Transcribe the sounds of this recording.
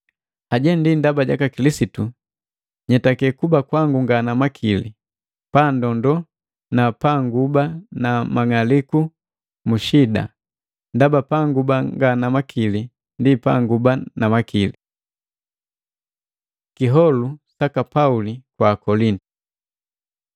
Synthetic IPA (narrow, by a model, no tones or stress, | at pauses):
aɟɛndindabaɟa̰kakilisitu | ɲɛtakɛkubakwaŋɡuŋɡanamakʰilḭ | pandɔndɔ | napaŋɡubanamaŋaliku | muʃida̰ | ndabapaŋɡubaŋɡanamakʰili | ndipa̰ŋɡubanamakʰili | kiɦɔlusakapaulikwakɔlintu̥